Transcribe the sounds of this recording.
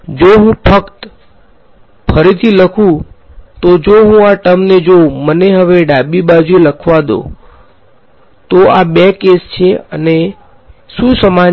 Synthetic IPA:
d͡ʒoɦũpʰəkt̪ | pʰəɾit̪ʰiləkʰũ | t̪od͡ʒoɦũaʈəmned͡ʒoməneɦəʋeɖabibad͡ʒueləkʰʋad̪o̰ | t̪oabekest͡ʃʰeə̰ne | sũsəma

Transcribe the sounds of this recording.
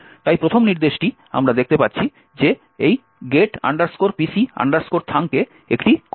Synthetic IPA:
t̪ajpɾot̪ʰomniɾd̪eʃʈi | a̰mɾad̪ek̚t̪epatːɕʰi | d͡ʑe | ej | ɡeʈa̰ɳɖaɾskoɾpisia̰ɳɖaɾskoɾt̪ʰaŋke | ekʈik

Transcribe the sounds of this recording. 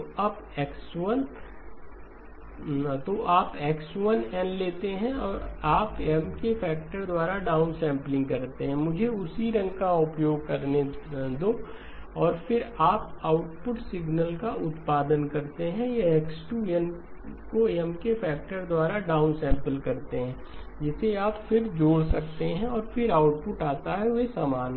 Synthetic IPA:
ɐb | ɛːkswən | t̪oʔaːpɛːksʋɐnɛ̃ːnleːt̪eɦɛ̃ɔːɾaːpɛmkefʰɛːk̚ʈəɾd̪waːɾaɖaːʊnsɛ̃ːmplɪ̃ŋɡkɐɾt̪eɦɛ̃mʊd͡ʒʱeʊsiɾɐ̃ŋɡkaʊpjoːɡ̚kɐɾned̪oː | ɔːɾfɪɾaːpaːʊʈpʊʈsɪɡnəlkaʊt̪paːd̪ənkɐɾt̪eɦɛ̃jaeksʈuːɛnkoeɛmkefɛːk̚ʈəɾd̪waːɾaɖaːʊnsɛ̃ːmpəlkɐɾt̪eɦɛ̃ː | d͡ʒɪseaːpfɪɾd͡ʒoːɽsɐk̚t̪eɦɛ̃ɔːɾfɪɾaːʊʈpʊʈaːt̪aɦɛʋesaːmaːn

